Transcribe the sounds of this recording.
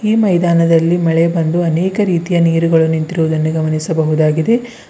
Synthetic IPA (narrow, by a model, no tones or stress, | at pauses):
iːmɐjd̪aːnɐd̪ɐlːimɐɭebɐnd̪uɐnɛːkɐɾiːt̪ijɐniːɾuɡɐɭunint̪iɾuʋud̪ɐnːuɡɐmɐnisɐbɐɦud̪aːɡid̪e̞